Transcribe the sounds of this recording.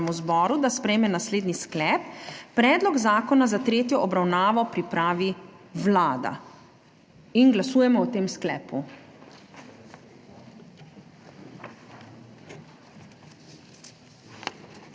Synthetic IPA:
muzbɔːɾud̪aspɾɛjmɛnasleːd̪nisklɛːpːɾɛːd̪lɔɡzaːkɔnazat̪ɾeːt̪jɔʔɔbɾawnaːʋɔpɾipɾaːʋi | ʋlaːd̪a̰ | inɡlasuːjɛmɔɔt̪eːmsklɛːpu

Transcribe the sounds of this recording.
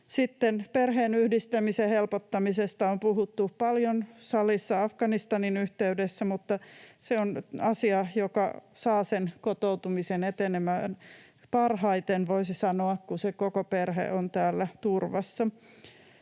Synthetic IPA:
sit̪ːenperɦeːnyhdist̪æmisehelpot̪ːɑmisest̪ɑompuhut̪ːupɑljonsɑlisːɑɑfɡ̥ɑnist̪ɑninyht̪eydesːæmut̪ːɑseonɑsiɑjokɑsɑːsenkot̪owt̪umisenet̪enemæn | pɑrhɑit̪enʋoisisɑnoɑkkusekokoperhḛont̪æːlːæt̪urʋɑsːɑ

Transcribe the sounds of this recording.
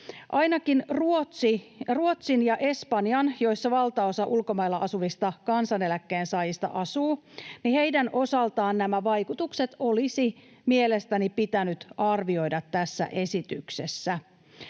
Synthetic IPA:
ʔɑjnɑkinruosiruo̞t̪sinjɑʔe̞spɑnjɑnjo̞jsːɑʋɑlt̪ɑo̞sɑʔulko̞mɑjlːɑʔɑsuʋist̪ɑkɑnsɑne̞lækːe̞ːnsɑːjist̪ɑ̰ʔɑsuːnihe̞jdænʔo̞sɑlt̪ɑːnnæmæʋɑjkut̪ukse̞t̪o̞lisi | mie̞le̞st̪ænipit̪ænyt̪ɑrʋio̞jdɑt̪ːæsːæ̰ʔe̞sit̪ykse̞sːæ

